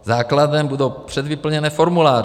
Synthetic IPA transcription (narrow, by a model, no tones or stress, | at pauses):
zaːkladɛmbudowpr̝̥ɛd̪vɪpl̩ɲɛnɛːfo̞ɾmulaːr